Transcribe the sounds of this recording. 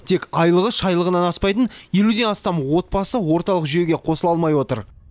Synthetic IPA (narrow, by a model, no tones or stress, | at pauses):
t̪ʰe̞kʲɑjlˠəʁəʃɑjlˠəʁənɑnɑspɑjt̪ənje̞lud̪e̞nɑst̪ɑmwo̞t̪̚pɑsəwo̞ɾt̪ɑlˠəqʒʏje̞ɡʲe̞qʰo̞səlˠɑlˠmɑjwo̞t̪əɾ